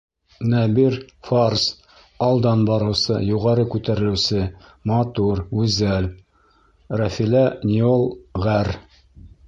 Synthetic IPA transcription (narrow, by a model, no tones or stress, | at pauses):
næbiɾfars | ɑlˠd̪ɑnbɑɾɤ̆wsɤ̰juʁɑɾɤkʉt̪æɾɘ̆lɘ̆wsɘ | mɑt̪uɾʉzæl | ræfilænʲiolˠʁæɾ